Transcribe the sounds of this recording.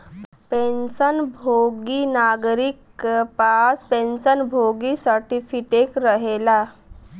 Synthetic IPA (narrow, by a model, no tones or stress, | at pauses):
penɕənbʱoɡinaɡɾiːk | paspẽnsənbʱoɡisaʈifiʈekɾəɦela